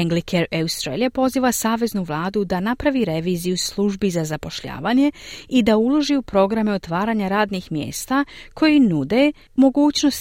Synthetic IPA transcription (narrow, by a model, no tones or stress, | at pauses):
eŋɡlikʰeɾaust̪ɾeːlʲepo̞ziːʋasaːʋe̞znuʋlˠaːd̪ud̪anapɾaʋiɾe̞ʋiːzijuslˠuʒbizazapo̞ʃʎa̰ːʋaːɲe̞id̪aulˠo̞ʒiupɾo̞ɡɾameo̞t̪ʋaːɾaːɲaɾaːd̪nixmjḛːst̪akʰo̞jinud̪e̞ | mo̞ɡuːt͡ɕno̞s